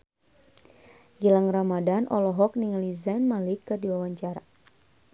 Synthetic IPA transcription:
ɡilaŋramadanʔɔlɔɦɔk̚niŋalizanmalikɨrdiwawaɲt͡ʃaɾa

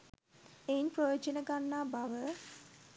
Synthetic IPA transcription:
einprojoːd͡ʒənəɡanːaːbaʋə

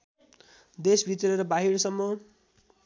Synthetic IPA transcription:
d̪esbʱit̪ʌɾʌɾʌbaɦiɽsʌmːʌ

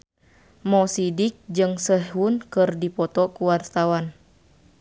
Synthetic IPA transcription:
mɔsidik̚d͡ʒɨŋsəɦunkɨrdipɔt̪ɔkuwart̪awan

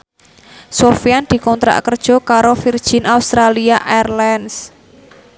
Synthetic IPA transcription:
sofiand̪̥i̤kɔnt̪ɾa̰ʔkərd̥ʒ̥ɔ̤kaɾofird̥ʒ̥ɪ̤naust̪ɾaliaʔɛrlans

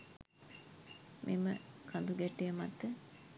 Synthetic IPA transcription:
mʔḭməkʰɐnd̪uɡɛʈːijəmɐt̪ːə

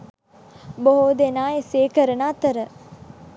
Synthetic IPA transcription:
boɦoːd̪enaːeseːkəɾənaːt̪əɾə

